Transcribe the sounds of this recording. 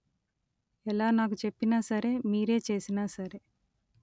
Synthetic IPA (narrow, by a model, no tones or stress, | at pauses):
ɛlaːnaːk̬ut͡ʃepːinaːsɐɾe̞ːmiːɾe̞ːt͡ʃe̞ːsinaːsɐɾe̞